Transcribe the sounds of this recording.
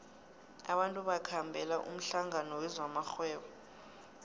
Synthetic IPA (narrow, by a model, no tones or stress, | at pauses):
aɓantʼuɓakʰambʱɛlaʔṵm̩ɬaŋʱanɔwɛzwamaxwɛːɓɔ